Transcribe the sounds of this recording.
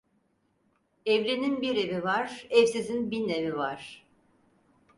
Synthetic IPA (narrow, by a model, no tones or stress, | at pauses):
ɛvɾeninbiɾe̞vivaɾ̥ɛvsizinbinevivaɾ̥